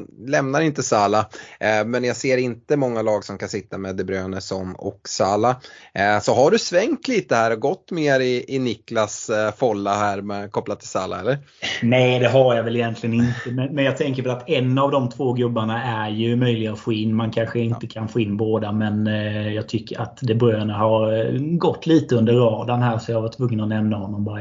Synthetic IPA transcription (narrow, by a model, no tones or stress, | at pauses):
lɛmnaɾɪnt̪əsaːlamɛnjaseːɾɪnt̪əmɔŋːalɑːɡsɔmkʰansɪt̪ːamɛd̪əbɾøːnəsɔmɔ̰ksɑːlasɔɦaɖɵsvɛŋt̪liːt̪əhæːɾɔɡɔt̪ːmeːɾɪɪnɪklasfɔlːaɦæːɾmɛkʰɔplat̪ʰɪlsaːla̰ɛlːəɾ | nɛjd̪ɛɦaɾjavɛlɪjɛnt̪ʰlɪɡənɪnt̪əmɛnmɛnjɑːt̪ʰɛŋkəɾvɛlat̪ɛnːavd̪ɔmt̪ʰvoːɡɵbːaɳaæɾjɵmœjlɪɡaʊfoːɪnːmankʰanɧəɪnt̪əkʰanfoːɪnːboːd̪amɛnjɑːɡ̚t̪ʰʏkːəɾa̰t̪d̪ɛbɾøːnəɦaɾɡɔt̪ːliːt̪əɵnd̪əɾːɑːd̪anɦæːɾsɔjaːvaʈʰvɵŋːənɔnɛmnahɔnːɔmbɑːɾa